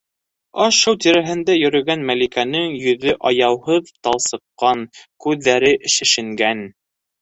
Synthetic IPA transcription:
ɑʃɤwt̪iɾæɦɘ̆nd̪æjɵ̆ɾɵ̆ɡænmælikænɘŋjɵ̆ðɵʔɑjɑwhɤðt̪ɑlˠsɤ̆qːɑnkʉðːæɾɘʔɘ̆ʃɘ̆ʃɘ̆ŋɡæn

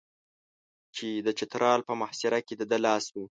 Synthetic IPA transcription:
t͡ʃed̪ət͡ʃɪt̪ɾʔɑlpəmahsɪɾaked̪əd̪əlɑswi

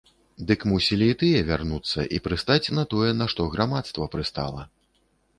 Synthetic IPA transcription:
d̪ɨkmusʲilʲiːt̪ɨjɛvʲarnut̪sːɐ̰ʔḭpɾɨst̪at͡sʲnɐt̪ɔjɛnɐʂt̪ɔɣɾamat̪st̪vɐpɾɨst̪a̰lˠɐ

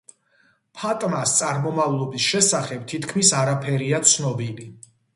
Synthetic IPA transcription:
pʰat̪ʼmast̪sʼaɾmɔmavlˠɔbisʃɛsaχɛb̚t̪ʰit̪ʰkʰmisaɾapʰɛɾiat̪sʰnɔbili

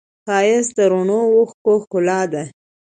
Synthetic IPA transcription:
xɑjɪsd̪əɾonowʊxkoxkʊlɑd̪a

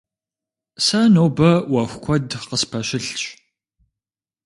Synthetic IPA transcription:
sɐnoːbɐwɐxʷkʷʰɔdqəspʰɐʃɪɬt͡ʃʼ

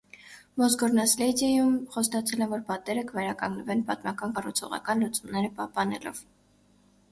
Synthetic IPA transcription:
mɔs̬ɡɔɾnɑslɛd̪ɛjumχɔst̪ɑt͡sʰɛlɛvɔɾpɑt̪ɛɾəkəvɛɾɑkɑŋɡnəvɛnpɑt̪mɑkɑnkɑrut͡sʰɔ̰ʁɑ̰kɑnlut͡sumnɛɾəpɑhpɑnɛ̰lɔ̰v̥

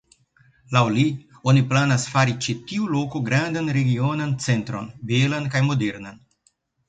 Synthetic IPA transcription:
lawli | oniplanasfaɾit͡ʃitiulo̞koɡɾandanɾe̞ɡio̞nant͡se̞ntɾo̞̰nbelankajmo̞deɾnan

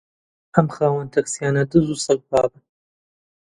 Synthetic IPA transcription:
ʔɐmxaːwɐnt̪ʰɐksijaːnɐd̪ɨzusɐk̚baːbɨn

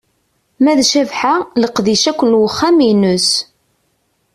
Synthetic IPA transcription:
mæðʃævħaləqðiʃækʷːənwəχːæminʊs

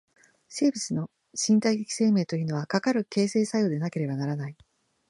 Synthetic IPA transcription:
se̞ːbʲit͡sɨno̞ | ɕĩnt̪aiɡekʲi̥se̞ːme̞ːt̪o̞jɯ̟no̞βakakaɾɯ̟ke̞ːse̞ːsajo̞ːd̪e̞nake̞ɾe̞banaɾanai

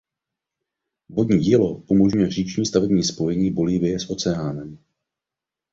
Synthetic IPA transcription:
vodɲiːɟiːlo̞ʔumo̞ʒɲujɛr̝iːt͡ʃɲiːst̪avɛbɲiːspo̞jɛɲiːbo̞liːvɪjɛsʔo̞t͡sɛaːnɛm

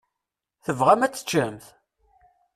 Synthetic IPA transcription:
θəvʁæmæt͡sːə̥t͡ʃːəmθ

